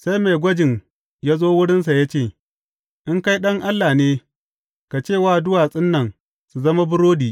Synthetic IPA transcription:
sa˦jme˨ɡʷɐ˦d͡ʒɪ˨ŋ | jaː˦zoː˦wʊ˦ɽɪ˦ns̬a˨ja˦t͡ʃeː˦˨ | ʔɪ˦ŋka˦jɗɐ˦ŋʔa˦lːaː˨neː˦ | ka˨t͡ʃeː˦˨waː˦˨dʊ˦waː˨sʼɪ˦nːɐ˨ŋ | su˨zɐ˦ma˦bʊ˦ɽoː˦diː˨

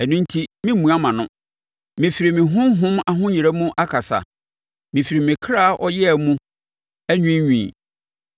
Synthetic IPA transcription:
ɛ˨nʊ̃˦n̩˦tʰi˦mɪ̃˦mũ˨a˦mã˨nʊ̃˦ | mɪ̃˨fi˨ɾi˨mɪ̃˨ɦʊ̃˦ɦʊ̃˦ma˨ɦʊ̃˦ɲi˨ɾæ˦mũ˦ʔa˦kʰa˨sa̰˨ | mɪ̃˨fi˨ɾi˨mɪ̃˨kʰa˦˨ʔɔ˦jɛ˦˨mũ˦ | æ˦ɲᶣĩ˦ɲĩ˨

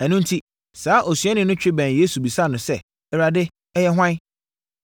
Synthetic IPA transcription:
æ˨nʊ̃˦n˦tʰi˦ | saː˨˦ʔo˨sɥɛ˦nɪ̃˨˦nʊ̃˦t͡ɕᶣɪ˦bæ̃˨nje˦su˨bi˨sa˦˨nʊ̃˨sɛ˦ | ɛ˨ɾa˨dɪ˦ | ɛ˦jɛ˦ɦʷwã˦n˦

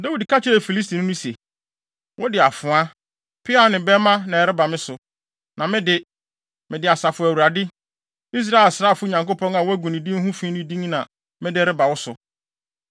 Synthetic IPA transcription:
da˦wi˨dkʰa˦t͡ɕʰɪ˦ɾe˨fi˨li˦s̬tʰi˨nʊ̃˦nʊ̃˦se˨ | wɔ˦dɪ˨a˨fʊ̃˨a˦ | pʰɪ˦a˦˨nɪ̃˨bɛ˦mã˦nã˨ɛ˨ɾɪ˦ba˨mɪ̃˦sʊ˨ | nã˨mɪ̃˦dɪ˦ | mɪ̃˨dɪ˨a˨sa˨fʊ˨æ˨wu˨ɾa˨dɪ˦ | i˦s̬ɾa˦ɛ˨lsɾaː˦˨fʊ˦˨ɲã˨ŋko˦pʰɔ̃˦na˨wɔ˦æ˦ɡũ˨nɪ̃˨dĩ˦ɦũ˦fĩ˦nɪ̃˦dĩ˦ŋnã˨ | mɪ̃˦dɪ˦ɛ˦ɾɪ˦ba˨wɔ˦sʊ˨

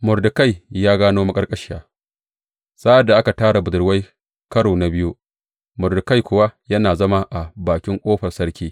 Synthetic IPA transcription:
mʊ˨rdɪ˨ka˦jjaː˦ɡaː˦noː˦ma˦kʼɐ˦rkʼɐ˦ʃɪ˦jaː˨ | sa˦ʔa˨dːa˨ʔa˦ka˨taː˦ɽa˨bʊ˨dʊ˨ɽwa˦j | kɐ˦ɽoː˨na˨bɪ˦ju˦ | mʊ˨rdɪ˨ka˦jkʷʊ˨wa˦jɐ˦naː˨zɐ˦ma˦ʔa˨baː˨kʲɪ˦ŋkʷʼoː˦ɸɐ˨rsɐ˦ɽkʲiː˦

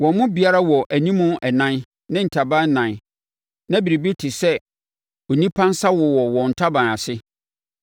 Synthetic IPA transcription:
wɔ̃˨m˦mʊ̃˦bi˨a˦ɾa˦wɔ˨ʔæ˨nĩ˦mʊ̃˦ɛ˨nã˦n | nɪ̃˦n̩˨tʰa˨bã˦n˦nã˨n | nã˦bi˨ɾi˨bi˦tʰɪ˨sɛ˦ | ɔ˨nĩ˦pʰã˦n˦sa˦wɔ˨wɔ˨wɔ̃˨n̩˨tʰa˦bã˨a˨sɪ˦

